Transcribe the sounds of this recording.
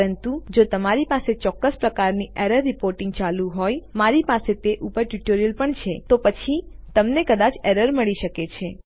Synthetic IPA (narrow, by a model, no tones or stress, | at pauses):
ɾənt̪ud͡ʒot̪əmaɾipaset͡ʃɔkːəspɾəkaɾniʔeɾəɾːipoɾʈɪ̃ŋɡ̚t͡ʃalũɦojmaɾipaset̪eʔupəɾʈuʈoɾijəlpəɳt͡ʃʰet̪opət͡ʃʰi | t̪əmnekəd̪at͡ʃeɾəɾməɭiʃəket͡ʃʰe